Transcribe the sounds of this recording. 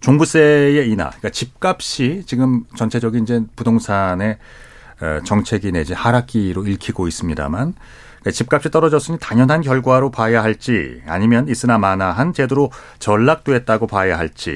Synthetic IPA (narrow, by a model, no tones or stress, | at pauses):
t͡ɕoŋbus͈e̞je̞ina̰k͈at͡ɕip̚k͈ap̚ɕ͈it͡ɕiɡɯmt͡ɕʌnt͡ɕʰe̞d͡ʑʌɡinid͡ʑe̞pudoŋsʰane̞̰ | t͡ɕʌŋt͡ɕʰe̞ɡine̞d͡ʑihaɾak͈̚iɾoiɭkʰiɡois͈ɯmɲida̰man | ikat͡ɕip̚k͈ap̚ɕ͈it͈ʌɾʌd͡ʑʌs͈ɯɲitaɲjʌnɦankjʌɭɡwaɾopajaɦaɭt͡ɕ͈ia̰ɲimjʌnis͈ɯnamanaɦant͡ɕe̞duɾo | t͡ɕʌɭːak̚t͈weet̚t͈aɡopajaɦaɭt͡ɕ͈ḭ